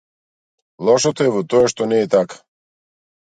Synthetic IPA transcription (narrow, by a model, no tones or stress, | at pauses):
lˠɔʃɔt̪oɛvɔt̪ɔaʃt̪ɔnɛːt̪akḁ